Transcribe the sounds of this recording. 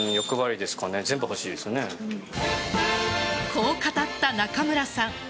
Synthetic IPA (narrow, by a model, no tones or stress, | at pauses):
jo̞kɯ̟βaɾʲid̪e̞sɨ̥kane̞zẽ̞mbɯ̟ho̞ɕiːd̪e̞sɨne | kʰo̞ːkat̪at̪ːanakamɯ̟ɾasãŋ